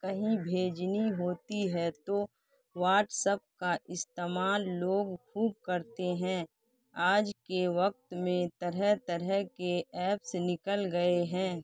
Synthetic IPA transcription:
kɐɦĩbʱeːd͡ʒniɦoːt̪iɦɛt̪o | ʋaːʈsəp̚kaʔɪst̪eːmaːlːoːɡkʰuːb̚kəɾt̪eɦɛ̃ː | aːd͡ʒkeʋɐk̚t̪mẽt̪ɐɾɛt̪əɾɛɦkeɛːpsenɪkəlɡəeɦɛ̃ː

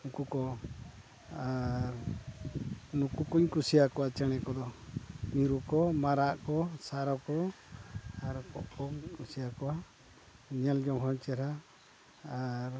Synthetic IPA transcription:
nukukɔ | aɾ | nukukuɲkusijakɔwat͡ʃɛɽ̃ɛkɔd̪ɔniɾukɔmaɾaʔkɔsaɾɔkɔ | aɾkɔ̰ʔkɔŋkusijakɔwa | ɲɛld͡ʒɔmɦɔɲt͡ʃɛɾaː | ɾ

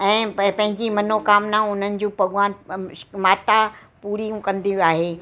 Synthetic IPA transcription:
ɛ̃ːpɐ̃ɦɪ̃ɲd͡ʑimɐnokaːmnaʊn̤ənɪ̆d͡ʑũːpɐɠʋaːnmaːt̪a | puːɾijũkɐ̃nd̪ijiaːɦeː

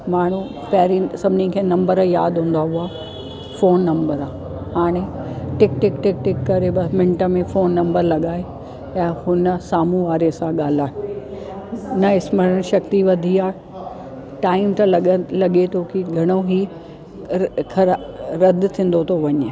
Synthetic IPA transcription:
maːɽ̤u | pɐɦɾisɐbʱɪnikʰeːnɐ̃mbəɾjaːd̪ɦũːn̆d̪aɦʊaː | foːnːɐ̃mbəɾaː | haːɽ̃eʈɪkʈɪkʈɪk̚ʈɪkːɐɾebɐmɪ̃ɳʈə̆mẽfoːnːɐ̃mbəɾlɐɠaːe | jãhʊnə̆saːmũʋaːɾesãɠaːl̤aːɦe | nɐɪsməɾəñʃɐk̚t̪iʋɐd̪ʱiaːɦ | ʈaːɪmt̪ɐllɐɠet̪ʰokiɡʱɐɽ̃oɦi | kʰɐɾɾɐd̪ʱt̪ʰĩːn̆d̪ot̪ʰoʋɐɲ

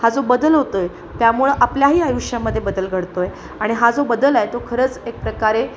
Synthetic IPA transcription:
had͡zobəd̪əlɦot̪oj | t̪jamuɭʔapljaɦiːajuʂjaməd̪ʱːjebəd̪əlɡʱəɽt̪oje | aɽ̃iɦad͡zobəd̪əlajt̪okʰəɾəːt͡sek̚pɾəkaɾe

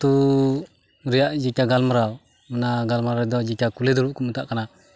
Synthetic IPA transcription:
t̪u | ɾijaʔd͡ʒakaɡalməɾaw | mənaɡalməɾadɔd͡ʒakakulɛdɔɾuʔkumət̪aʔkana

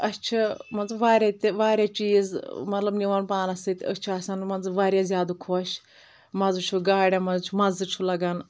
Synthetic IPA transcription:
ɐt͡ʃʰimɐnzɨʋaːɾʲjat̪ʋaːɾʲjat͡ʃiːzmɐt̪lɐbniʋanpaːnɐsɨt̪ʲɐ̰t͡ʃʰiɐːsɐnmɐnzɨʋaːɾʲjazjaːd̪ukʰoʃ | mɐzɨt͡ʃʰuɡaːɽʲamɐzt͡ʃʰumɐzɨt͡ʃʰulɐɡɐn

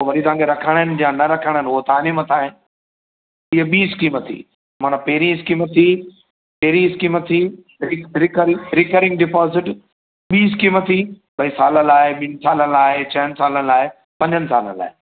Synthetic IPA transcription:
ʋɐɾit̪ɐãŋkʰeɾɐkʰəɽ̃ənɪ̆d͡ʑãnɐɾɐkʰəɽ̃ənɪɦʊɦot̪aːnimət̪ʰaːɦɪ̃n | ɪɦəɓiːskiːmət̪ʰḭː | maːnãpeːɾĩɪskiːmət̪ʰːi | peɦɾĩɪskiːmət̪ʰi | ɾɪɾɪkəɾɪɾɪkəɾɪ̃ŋɡ̚ɖɪpɔːzɪʈ | ɓiːɪskiːmət̪ʰi | ɓɐisaːlə̃laːɦeɓɪ̃nsaːləaːɦet͡ɕɐɦənɪ̆saːlən̆laːe | pɐ̃ɲd͡ʑʱənɪ̆saːlə̰nla̰ːɦe

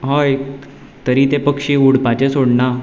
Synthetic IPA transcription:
ɦoj | t̪əɾiːt̪epəkʂiːuɽpat͡ɕẽsoɽna

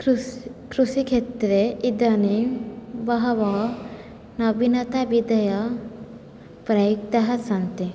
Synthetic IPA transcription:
kɾusikʰet̪ːɾeid̪ɐnebɐɦɐʋa | nɐbʱinɐt̪abid̪ɐjɐ | pɾɐjuk̚t̪ɐɦɐsɐnt̪i

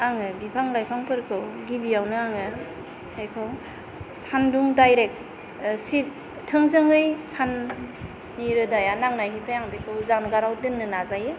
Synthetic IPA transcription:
aŋɯbipʰaŋlajpʰaŋpʰɯɾkʰɯwɡibijawnɯaŋɯ | ejkʰɯw | sanduŋdajɾek̚ | sit | tʰːɯŋzɯŋɯjsanː | iɾɯdajanaŋnajɦipʰajaŋbejkʰɯwzaŋnɡaɾawdɯnːɯnazajɯ

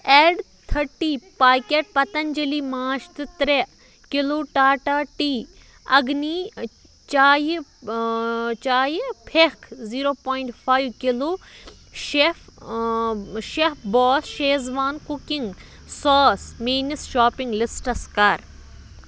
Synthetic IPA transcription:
eːɖ | t̪ʰɐɾʈiːpaːkeʈ̚pɐt̪ɐnd͡ʒɐlimaːʃt̪ɪt̪ɾe | kɪloːʈaːʈaːʈiː | ɐ̰ɡni | t͡ʃaːj | t͡ʃaːjpʰekʰziːɾoːpɔːiɳʈpʰaːjʋkɪloː | ʃef | ʃepbɔːsʃeːzʋaːnkʊkɪŋɡ | sɔːsmiːnisʃaːpɪ̃ŋɡlɪsʈɐskaːɾ

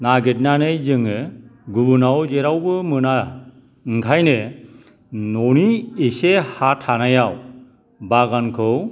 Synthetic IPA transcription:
naɡet̚nanɯjd͡ʒɯŋɯɡubɯnawd͡ʒɛɾawbɯmɯna | ŋkʰajne | noniesehaʈʰanajaw | baɡankʰɔw

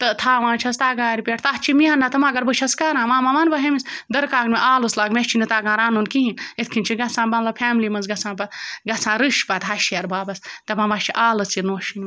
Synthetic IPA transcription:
t̪ɨt̪ʰaːʋãːt͡ʃʰɐst̪aːɡaːɾipʲeʈʰt̪aɦt͡ʃʰimiaːnːɐt̪ɐmãːɡɐɾbɨt͡ʃʰɐskaɾãːmaːmaʋɐnbɐɦemisd̪ɐɾkaːɡnmeʔaːloslaːɡmʲeʃt͡ʃʰinit̪aːɡãːɾaːnunkiɦinet̪ʰkʰint͡ʃʰiɡɐsãːbɐnlɐpʰʲɛːmlimɐnzɡɐsãːbɐt̪ɡɐsʰãːɾɨʃpɐt̪ɦɐʃeɾbaːbɐst̪ɐmãmaʃt͡ʃʰiʔaːlɐsinoːʃin

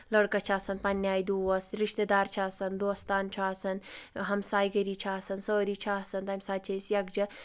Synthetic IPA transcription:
ləɽkɐt͡ʃʰaːsɐnpɐnjaːjd̪uʋɐsɾiʃt̪ed̪aːɾt͡ʃʰaːsɐnd̪oːst̪aːnt͡ʃʰaːsɐnɦɐmsaːjɡəɾit͡ʃʰaːsɐnsəːɾit͡ʃʰasɐnt̪amʲisaːt͡ʃʰisjɐɡ̚d͡ʒɐ

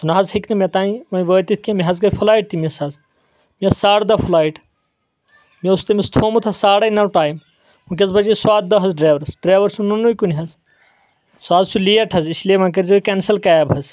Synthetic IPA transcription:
t̪unɐɦɐzhiknɐmʲet̪ãːĩʋɐʋəːt̪it̪̚ʰʲkimʲiɦɐzɡɐjpʰulaːjʈ̚t̪imisɐz | mesaːɽd̪ɐpʰulaːiʈ | mʲeust̪ɐmist̪ʰoːmut̪ʰɐsaːɽɐjnɐwʈaːjm | ũk̬ʲɐzbɐd͡ʒiswaːd̪̚d̪ɐɦɐzɖɾaːʋɐɾɐsɖɾaːʋɐɾsununːujkunʲɦɐz | swaːzsulijɐʈʰɐzislemɐ̃nk̬ɐɾzɐkensɐlkaːjabɦɐz

